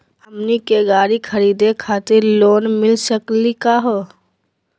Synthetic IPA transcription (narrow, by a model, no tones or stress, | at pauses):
həmnikeɡaːɾikʰəɾiːd̪ekʰaːt̪ɪɾloːnmɪlsəklikaɦo